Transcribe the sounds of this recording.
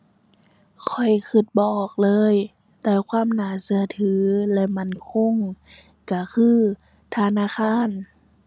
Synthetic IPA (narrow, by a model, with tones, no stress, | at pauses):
kʰɔ˨˩jkʰɯ˧˩t̪̚bɔː˨˩k̚lɤː˧˥˨j | t̪ɛː˧˩kʰwaː˧˥˨mnaː˨˩˦sɯ˧˦ɐ˦t̪ʰɯː˨˦lɛ˧ma˧˥˨nkʰo˧˥˨ŋ | ka˧˩kʰɯː˧˥˩ | t̪ʰa˧˨naː˧˥˨xʰaː˧˥˨n